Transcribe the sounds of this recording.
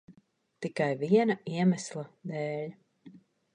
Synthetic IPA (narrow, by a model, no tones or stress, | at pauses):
t̪ikajviɛnaiɛmæslˠad̪eːlʲ